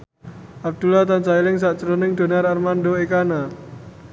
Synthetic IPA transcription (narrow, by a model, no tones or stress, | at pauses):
ʔab̚d̪̥ulat̪ant͡ʃailɪŋs̬aʔt͡ʃəɾunɪŋd̪̥o̤naɾarmanɖoekana